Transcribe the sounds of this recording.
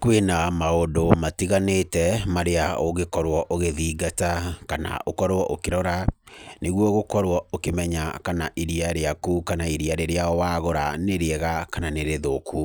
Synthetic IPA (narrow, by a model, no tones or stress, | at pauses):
kwenamaondomatiɣanetɛmaɾeaoɣekɔɾwɔʔoɣeðiːɡatakana̰ʔokɔɾwɔʔokeɾɔɾaneɣwɔɣokɔɾwɔokemɛɲakanaʔiɾiaɾeakukanaiɾiaɾeɾeawaɣoɾaneɾeɛɣakananeɾeðokʰu